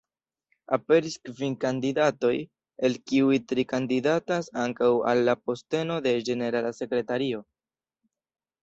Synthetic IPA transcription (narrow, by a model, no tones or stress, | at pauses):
a̰pe̞ɾiskvinkandidato̞j | e̞lkiujtɾikandidatasaŋkawa̰lːapo̞ste̞no̞de̞d͡ʒe̞ne̞ɾalase̞kɾe̞taɾio̞